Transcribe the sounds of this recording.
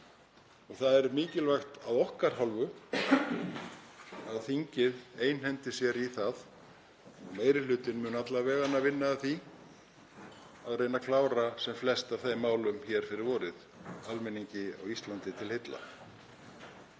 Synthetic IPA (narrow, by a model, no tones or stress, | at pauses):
ɔɣθaðɛɾmɪːcɪlvajxt̪aðɔhkaɾ̥ɦɔlvʏ | aðθiɲcɪðeːjnhɛnt̪ɪsjɛɾiθað | ɔmeːjɾɪlʏːt̪ɪnmʏːnat̪lavɛːɣanːavɪnːaːðθi | aðreːjnakʰlaːwɾasɛmflɛst̪avθejmːaːwlʏmçɛːɾ̥fɪɾɪɾvɔːɾɪð | almɛniɲcɪa̰wist̪lant̪ɪt̪ʰɪlhejt̪la̰